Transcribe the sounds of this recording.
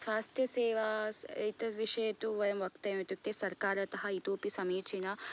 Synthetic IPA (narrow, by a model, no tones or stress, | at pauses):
sʋaːst̪ʰjɐseːʋɐḛjt̪ɐʋiʂɐjɐt̪uʋɐjɐmʋɐkt̪ɐjt̪ukt̪ːesɐɾkaːɾɐt̪ɐɦɐit̪oːpisɐmiːt͡ʃʰinɐ